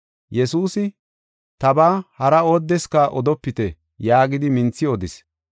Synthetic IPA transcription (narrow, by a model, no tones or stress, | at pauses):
jɛsuːsɪ | t̪ɐbaːhɐɾɐo̞ːd̪ːɛskɐʔɔd̪ɔpːɪt̪ɛ | jaːɡɪd̪ɪmɪnt͡sːɪɔd̪ɪs